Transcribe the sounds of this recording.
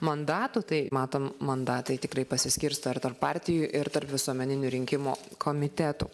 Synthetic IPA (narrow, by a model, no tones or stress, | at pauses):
mɐnd̪ɑːt̪ut̪ɐɪmɑːt̪oːmmɐnd̪ɑːt̪ɐɪt̪ʲɪkɾɐɪpɐsʲɪsʲkʲɪɾst̪ɐɪɾt̪ɐrppɑːɾʲt̪ʲɪjʊʔɪɾt̪ɐrpʋʲɪsuɔmʲɛnʲɪnʲʊɾʲɪŋʲkʲɪmoːkʰoːmʲɪt̪ʲæːt̪ṵː